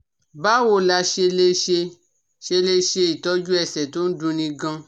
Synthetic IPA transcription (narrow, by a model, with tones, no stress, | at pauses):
ba˦wo˧la˧ʃe˧le˧˦ʃe˧ | ʃe˧le˧ʃe˧i˨tɔ˨˦d͡ʒu˦ɛ˧˨sɛ˨to˦n̩˦dũ˧nĩ˧ɡã˧